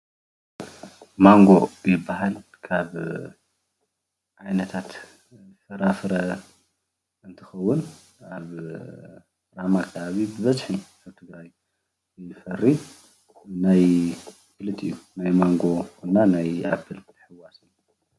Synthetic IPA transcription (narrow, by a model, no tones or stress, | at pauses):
maŋɡo̞jɪbːaɦalkʰaβ | ʕajnɐt̪ʰat̪ | fɐɾafɾɐ | ɨnt̪ʰɨxɐwːʊn | aβ | ɾamakʰɐβaβibɨβɐzħi | aβt̪ʰɨɡɾaj | ɨfɐrːi | naj | kɨlɨt̪ɨ̰jːunajmaŋɡo̞kʰonːanajʔa̰bʰɨlt̪ʰħɨwasɨu